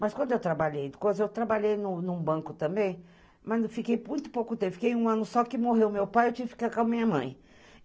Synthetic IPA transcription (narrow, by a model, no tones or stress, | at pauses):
mɐskwɐ̃nd̪ʊewt̪ɾabaʎejd̪ɪkojzɐewt̪ɾabaʎejnʊnʊ̃bɐ̃kʊt̪ɐ̃mbẽj̃ | mɐzfikejũj̃t̪ʊ̥powkʊt̪ẽpfi̥kejũɐ̃nʊsɔkɪmoɦewmewpajewt͡ʃĩvfi̥kaɾkõmĩɲɐmɐ̰̃j̃